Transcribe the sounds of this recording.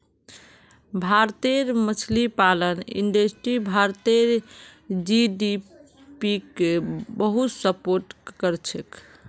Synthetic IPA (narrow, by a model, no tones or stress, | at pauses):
bʱaɾt̪eɾmət͡ʃʰlipalənḭɳɖesʈɾibʱaɾt̪eɾ | d͡ʒiɖi | pikebəɦut̪səpoɾʈkəɾt͡ʃʰek